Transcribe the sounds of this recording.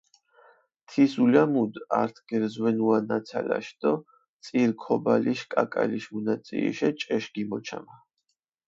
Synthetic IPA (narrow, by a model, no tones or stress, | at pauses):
t̪ʰisulamud̪aɾt̪ʰɡ̥ɛɾzwɛnuanat̪sʰala̰ʃd̪ɔ | t̪sʼiɾkʰɔbaliʃkʼakʼaliʃmunat̪sʼiḭʃɛt͡ʃʼɛʃɡimɔt͡ʃʰa̰ma